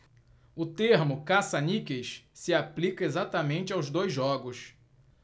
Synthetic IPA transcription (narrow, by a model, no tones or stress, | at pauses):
ʊt̪eɦmʊkasanikejʃsɪaplikɐezat̪ɐmẽnt͡ʃɪawzd̪ojzːɔɡʊs